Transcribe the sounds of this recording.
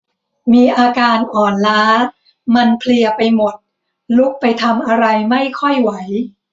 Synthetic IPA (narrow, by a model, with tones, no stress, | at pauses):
miː˧ʔaː˧kaː˧nʔɔː˨˩nlaː˦˥ | ma˧npʰli˧ɐpa˧jmo˨˩t̪̚ | lu˦˥k̚pa˧jt̪ʰa˧mʔa˧ɾa˧jma˥˩jkʰɔ˥˩jwa˩˦j